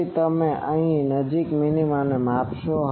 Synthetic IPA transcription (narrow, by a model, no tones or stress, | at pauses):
it̪əmẽʔəɦĩnəd͡ʒikminimanemapʃoɦ